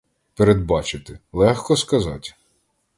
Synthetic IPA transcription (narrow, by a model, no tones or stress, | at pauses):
peɾed̪bɑt͡ʃɪt̪ɪlˠɛxkɔskɐzɑtʲ